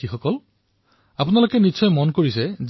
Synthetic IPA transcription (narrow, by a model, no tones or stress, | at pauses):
ixɔkɔl | apunalokɛnisɔjmɔnkoɹisɛz